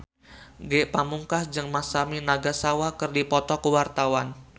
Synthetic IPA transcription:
ɡɛʔpamuŋkahd͡ʒɨŋmasaminaɡasawakɨrdipɔt̪ɔkuwart̪awan

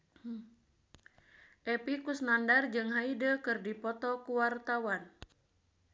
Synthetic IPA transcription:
ʔɛpikusnandard͡ʒɨŋɦaidəkɨrdipɔt̪ɔkuwart̪awan

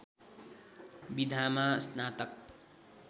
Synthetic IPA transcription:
bid̪ʱamasnaːt̪ʌk̚

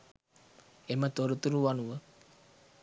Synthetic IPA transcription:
emət̪oɾut̪uɾuʋanuʋə

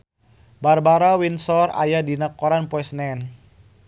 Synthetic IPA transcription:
barbaɾawinsɔra̰jadinakɔɾanpɔɛsnɛn

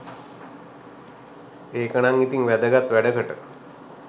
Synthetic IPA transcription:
eːkənaŋit̪iŋʋæd̪əɡat̪ʋæɖəkəʈə̰

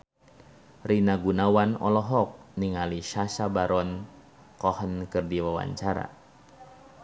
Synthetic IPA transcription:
rinaɡunawanɔ̰lɔɦɔk̚niŋaliʃasabaɾɔn | kɔhənkɨrdiwawa̰ɲt͡ʃaɾa̰

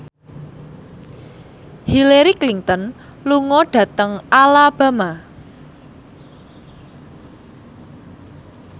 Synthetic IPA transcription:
hileɾikliŋt̪ɔnluŋɔɖ̥ä̤t̪əŋalab̥a̤ma

